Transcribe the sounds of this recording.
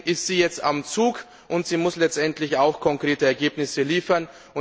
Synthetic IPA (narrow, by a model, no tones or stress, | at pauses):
ʔɪstz̥iːjɛt͡stamt͡suːk | ʔʊntz̥iːmʊslɛt͡stʔɛntʰlɪçaʊxkʰɔŋkʁ̥eːtəɛɐɡeːpnɪsəliːfɐn | ʔʊ